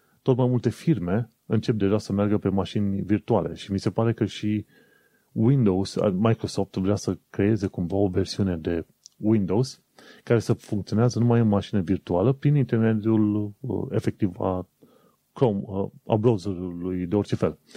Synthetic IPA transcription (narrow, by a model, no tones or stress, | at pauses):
t̪o̞t̪majmult̪e̞firme̞ | ɨnt͡ʃe̞p̚d̪e̞ʒasəmearɡəpe̞maʃinʲvirt̪uale̞̰ʃimise̞paɾe̞kəʃi | wind̪o̞wza̰majkɾo̞so̞ft̪vɾeasəkɾe̞e̞ze̞kumvao̞ve̞rsiune̞d̪e̞ | wind̪o̞wz | kaɾe̞səfuŋkt̪sioneazənumajɨnmaʃinəvirt̪ualəpɾinint̪erme̞d̪jul̰e̞fe̞k̚t̪iva̰ | kɾoma̰bɾawzəɾulujd̪e̞o̞rt͡ʃe̞fe̞l